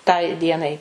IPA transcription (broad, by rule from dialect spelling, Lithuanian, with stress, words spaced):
tɐɪ ˈdʲiɛnɐɪ